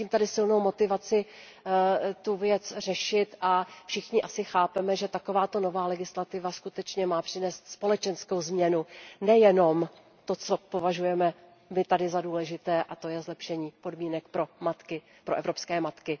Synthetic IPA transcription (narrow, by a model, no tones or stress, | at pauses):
iːmt̪adɪsɪlno̞wmo̞t̪ɪvat͡sɪ | t̪uvjɛt͡sr̝ɛʃɪt̪ʔafʃɪxɲɪʔasɪxaːpɛmɛʒɛt̪ako̞vaːt̪o̞no̞vaːlɛɡɪslat̪ɪvaskut̪ɛt͡ʃɲɛmaːpr̥ɪnɛːst̪spo̞lɛt͡ʃɛnsko̞wzmɲɛnunɛjɛno̞m | t̪o̞t͡so̞po̞vaʒujɛmɛ | mɪt̪adɪzaduːlɛʒɪt̪ɛːʔat̪o̞jɛzlɛpʃɛɲiːpo̞dmiːnɛkpɾomat̪kɪ | pɾoʔɛvɾo̞pskɛːmat̪kɪ